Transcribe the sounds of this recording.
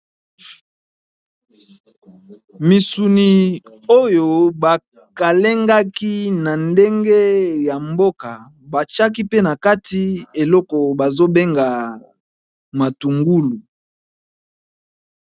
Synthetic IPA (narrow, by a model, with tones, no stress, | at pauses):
mi˨su˨ni˨ | o˦jo˨ba˨ | ka˨le˦ŋɡa˦ki˦na˨nde˦ŋɡe˦ja˨mbo˦ka˨ | ba˨t͡ʃa˦k̬i˦pe˦na˨ka˦ti˦e˨lɔ˦kɔ˨ba˨zo˦be˦ŋɡa˨ | ma˨tu˨ŋɡu˦lu˨